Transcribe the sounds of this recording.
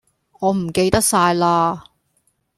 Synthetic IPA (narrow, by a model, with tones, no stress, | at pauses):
ŋɔː˨˧m̩˨˩ke˧jt̪ɐ˥k̚saː˧jlaː˧